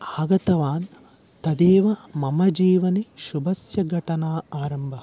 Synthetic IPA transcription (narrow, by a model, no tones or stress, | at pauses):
aːɡɐt̪ɐʋaːn | t̪ɐd̪eːʋɐmɐmɐd͡ʒiːʋɐniʃubɐsjɐɡʱɐʈɐnaːaːɾɐmbʱɐ